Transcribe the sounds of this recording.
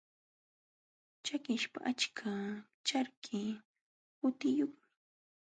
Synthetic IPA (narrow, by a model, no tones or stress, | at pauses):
t͡ʃakɪʃpa̰ʔat͡ʃkʰa | t͡ʃaɾkʰɪ | hʊt̪ɪjoχmɪ